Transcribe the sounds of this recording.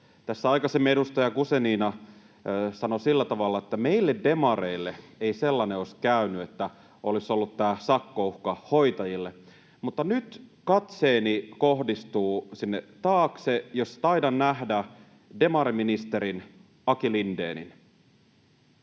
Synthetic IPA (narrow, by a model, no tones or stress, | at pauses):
t̪æsːæɑikɑsemːedust̪ɑjɑkuseniːnɑ | sɑnosilːæt̪ɑʋɑlːɑet̪ːæmeilːedde̞mɑreilːeeiselːɑneoiskæynyet̪ːæ | olisolːut̪t̪ːæːsɑkːouhkɑhoit̪ɑjilːe | mut̪ːɑnyt̪kɑt̪seːnikohdist̪uːsinːet̪ɑːksejost̪ɑidɑnnæhdæ | de̞mɑɾiminist̪eɾin | ɑkilindḛːnḭn